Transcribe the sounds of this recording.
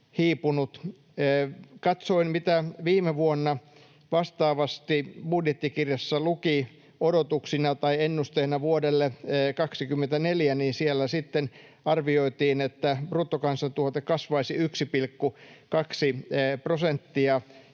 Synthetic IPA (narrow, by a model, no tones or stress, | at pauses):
hiːpunut̪ː | kɑt̪soinmit̪æʋiːmeʋuonːɑ | ʋɑst̪ɑːʋɑst̪ibudjet̪ːikirjɑsːɑluki | odot̪uksinɑt̪ɑienːust̪einɑʋuodelːekɑksikymːent̪æneljæniːnsielːæsit̪ːen | ɑrʋioit̪iːnet̪ːæpruːt̪ːokɑnsɑt̪uot̪ekɑsʋɑisiyksipilkːukɑksiprosent̪ːiɑ